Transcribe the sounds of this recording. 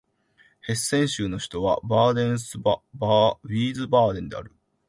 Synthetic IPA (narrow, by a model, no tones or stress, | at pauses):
he̞sːẽ̞ɰ̃ɕɨːno̞çi̥t̪o̞βa̰baːd̪ẽ̞ɰ̃sɨbabʲiːzɨbaːd̪ẽ̞nd̪e̞aɾɯ̟